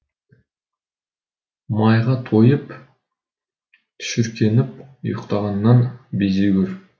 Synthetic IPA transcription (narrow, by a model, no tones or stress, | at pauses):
mɑjʁɑt̪ʰojəp | t̪ʰʏ̥ʃʏɾkʲʰe̞nɪp̚ʊ̰jqt̪ɑʁɑnːɑnbezeɡʲʏɾ